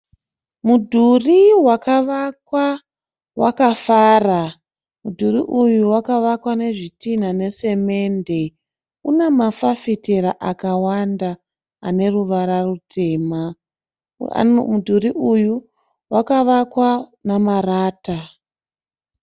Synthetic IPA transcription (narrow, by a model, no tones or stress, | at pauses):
mudʱuriwakaʋakwa | wa̰kafaːra | mudʱuriʔujuwakaʋakwane̞ʐitin̤ane̞se̞me̞nde̞ | une̞mafafiteɾaʔakawanda | ane̞ruʋaɾarutʰe̞ːma̰ | mudʱuriʔuju | wakaʋakwanamaraːta